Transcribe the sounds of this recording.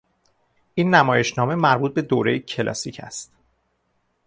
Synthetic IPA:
ʔiːnːæmɒːje̞ʃnɒːme̞mæɾbuːt̪̚be̞d̪oːɾe̞jecʰe̞lʔɒ̰siːcʰæ̰st̪

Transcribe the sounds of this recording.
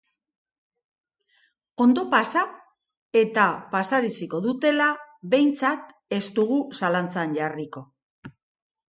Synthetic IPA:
o̞nd̪o̞pasa | e̞t̪apasaɾisiko̞ðut̪e̞laβe̞jnt͡sat̪ | e̞st̪uɣusalant͡sanʝariko̞

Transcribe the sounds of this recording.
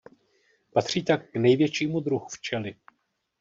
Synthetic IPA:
pat̪r̝̥iːt̪akːnɛjvjɛt͡ʃiːmud̪ɾuɦuft͡ʃɛlɪ

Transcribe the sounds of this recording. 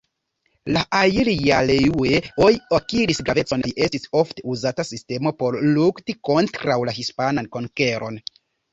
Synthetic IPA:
laʔailijalejueojiokiɾisɡɾave̞t͡so̞najʔe̞stiso̞fte̞uzatasiste̞mo̞po̞ɾluktiko̞ntɾawlaɦispananko̞ŋke̞ɾo̞̰n

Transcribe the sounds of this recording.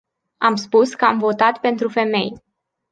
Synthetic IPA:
amspuskəamvo̞t̪at̪pe̞nt̪ɾufe̞me̞̰j

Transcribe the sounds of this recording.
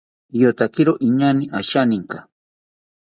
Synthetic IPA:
jot̪akɪɾoʔiɲanɪʔaʃanɪŋka

